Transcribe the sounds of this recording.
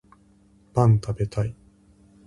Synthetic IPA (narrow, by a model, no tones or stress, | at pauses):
b̥ãnt̪abe̞t̪ai